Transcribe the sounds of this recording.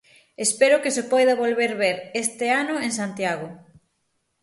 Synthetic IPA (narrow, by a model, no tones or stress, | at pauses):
espeɾʊkesepɔjðɐβolβeɾβeɾest̪eanʊeŋs̬ant̪jaɣʊ